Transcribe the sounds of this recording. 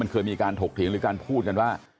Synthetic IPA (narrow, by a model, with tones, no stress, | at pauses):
ma˧nkʰɤː˧jmiː˧kaː˧nt̪ʰoː˨˩k̚t̪ʰi˩˦ŋɾɯː˩˦kaː˧npʰuː˥˩t̪̚ka˧nwaː˥˩